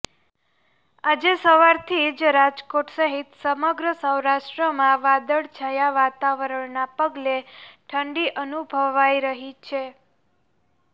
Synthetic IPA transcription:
ad͡ʒesəʋaɾt̪ʰid͡ʒɾad͡ʒkoʈsəɦit̪səməɡɾəsəwɾaʂʈɾəmãʋad̪əɭt͡ʃʰajaʋat̪aʋəɾəɳnapəɡleʈʰəɳɖiʔənubʱəʋajɾəɦit͡ʃʰe

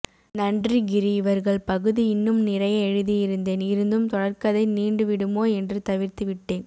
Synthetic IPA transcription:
nɐɳdriɡɪɾiɪʋɐɾɣɐɭpɐɣɯðiɪnːɯmnɪrɐjɐɛɻɯðijɪɾɯnd̪eːnɪɾɯnd̪ɯmt̪ɔɽɐɾkɐðɐɪniːɳɖɯʋɪɽɯmoːɛndrɯt̪ɐʋɪɾt̪ɯʋɪʈːeːn

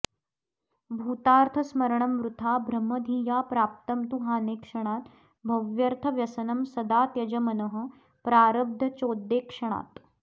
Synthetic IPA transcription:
bʱuːt̪aːɾt̪ʰɐsmɐɾɳɐmʋɾut̪ʰaːbʱɾɐmːɐd̪ʱiːjaːpɾaːp̚t̪ɐmt̪uɦaːneːkʂɐɽ̃aːt̪ | bʱɐʋjɐɾt̪ʰɐʋjɐsɐnɐmsɐd̪aːt̪jɐd͡ʒɐmɐnəɦə̆ | pɾaːɾɐb̚d̪ʱɐt͡ʃoːd̪ːeːkʂɐɳ̃a̰ːt̪

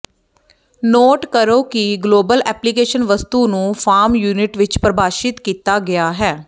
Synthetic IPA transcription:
noːʈkəɾoːkiɡloːbəlɛːplikeːʃənʋəst̪uːnũːfʰaːɾmjuːnɪʈʋɪt͡ʃpɾəbaːʃɪt̪kiːt̪aːɡɪaːɦɛː

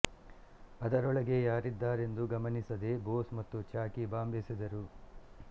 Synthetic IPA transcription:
ɐd̪ɐɾɔɭɐɡe̞jaːɾid̪ːaːɾe̞nd̪uɡɐmɐnisɐd̪e̞boːsmɐt̪ːut͡ʃaːkibaːmbʱeːsid̪ɐɾu

